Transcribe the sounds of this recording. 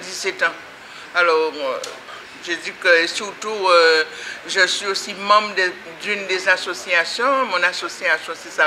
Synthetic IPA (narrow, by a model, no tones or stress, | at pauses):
d̪isɛt̪ɑ̃ | alɔʁ | ʒədikəsyʁt̪uøʒəsɥiosimɑ̃bʁd̪ | d̪ynd̪ezasosiasjɔ̃mɔ̃nasosiasjɔ̃sɛsa